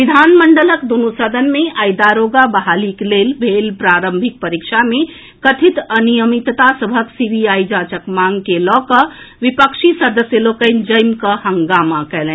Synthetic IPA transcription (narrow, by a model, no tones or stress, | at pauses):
ʋid̪ʱanməɳɖələkd̪unut̪səd̪ʱənmeʔajd̪aɾoɡabəɦaliklelbʱelpɾaɾəmbʱik̚pəɾikʃame | kət̪ʰit̪ənijəmit̪t̪asəbʱəksibʱiaid͡ʒat͡ʃəkmaŋɡkelɔkə | ʋipəkʃisəɾd̪əsjəlokəɪnd͡ʒəjmkəhəŋɡamakɛlɛ̃